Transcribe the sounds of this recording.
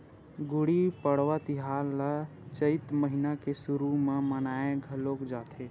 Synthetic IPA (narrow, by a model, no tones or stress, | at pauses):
ɡuɽipəɽ̤wat̪iɦalːə | t͡ʃəɪt̪məɦinakesuɾumemənaeɡʱəlokd͡ʒaːt̪ʰe